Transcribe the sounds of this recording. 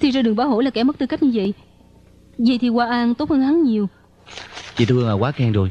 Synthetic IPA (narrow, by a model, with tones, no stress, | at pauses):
t̪ʰi˨˩zɔː˧ɗɨ˨˩əŋɓaː˨˦wɦo̰˧˥˦la˨˩kɛː˨˧˩mə˦˥t̪ɨ˧ka˦˥k̟̚ɲɨ˧və̰˧˨j | zə̰˨˧˨jt̪ʰi˨˩kwaː˧ʔaː˧nt̪o˦˥t̚həː˧nha˨˦ŋɲi˨˩əw | t͡ɕḭ˧˨t̪ʰːŋaː˨˩kwaː˨˦˥kɛ˧ŋzo˨˩j